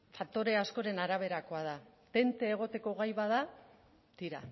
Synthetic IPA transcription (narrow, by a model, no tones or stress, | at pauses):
fakt̪o̞ɾe̞asko̞ɾe̞naɾaβ̞e̞ɾako̞að̞a | t̪e̞nt̪e̞ːɣ̞o̞t̪e̞ko̞ɣajβað̞a | t̪iɾa̰